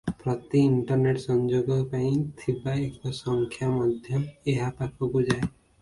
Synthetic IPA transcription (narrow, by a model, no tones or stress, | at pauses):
pɾɔt̪iiɳʈɔɾneʈsɔnd͡ʒoɡɔpaĩt̪ʰibaekɔsɔŋkʰjamɔd̪ʱjɔeɦapakʰɔbud͡ʒae